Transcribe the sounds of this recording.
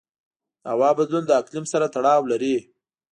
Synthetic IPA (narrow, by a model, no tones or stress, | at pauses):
a̰wɑbad̪lund̪əaklɪmsaɾat̪aɽɑwlaɾi